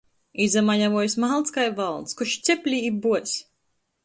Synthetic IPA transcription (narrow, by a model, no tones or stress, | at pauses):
izamaɲavuɔjsmalˠt̪skajvalˠd̪skuʃt̪sʲɛpʲlʲiibuɔsʲ